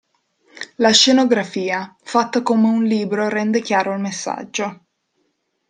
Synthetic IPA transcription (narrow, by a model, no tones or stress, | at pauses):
laʃenoɡɾafiːafat̪ːakoːmeunliːbɾoɾɛnd̪ekjaːɾoilmesːa̰d͡ʒːo